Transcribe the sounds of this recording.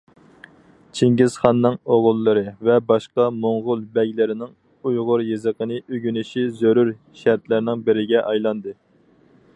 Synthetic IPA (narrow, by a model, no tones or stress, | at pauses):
t͡ʃʰiŋɡʲiz̥χɑnːɨŋoʁʊlˠːɨɾɨvɛbɑʃqɑmoŋʁʊlˠbɛɡʲlɪɾɪnɪŋ | ujʁʊɾjezəqənɨʔøɡʲynyʃizøɾuɾ | ʃæɾt̪lɪɾɪnɪŋbɪɾɪɡʲɛʔɑjlˠɑnd̪ɨ